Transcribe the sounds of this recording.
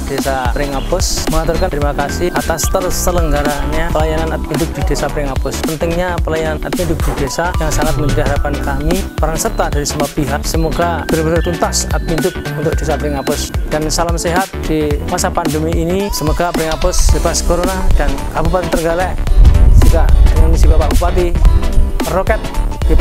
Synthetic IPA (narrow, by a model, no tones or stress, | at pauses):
d̥esapəɾɪŋapʊsməŋat̪arkant̪əɾimakasɪhʔat̪ast̪ərst̪ələŋɡaɾaɲapəlajananat̪̚pindʊk̚d̥id̥esapəɾɪŋapʊspənt̪ɪŋɲapəlajananʔat̪̚mindʊk̚d̥id̥esajaŋsaŋat̪̚mənəɾiɦaɾapankamipaɾaŋsərt̪ad̥aɾisəmapiɦaʔsəmoɡab̥əɾbənərt̪unt̪asat̪̚mindʊk̚unt̪ʊk̚d̥esapəɾɪŋapʊsd̥ansalamseɦat̪̚dimasapandumiinisəmoɡapəɾɪŋapʊsdepaskoɾonad̥ankabupat̪it̪ərŋɡalɛʔd͡ʒikaʔmunisibapaʔbupat̪i | bərokɛt̪̚d̥ip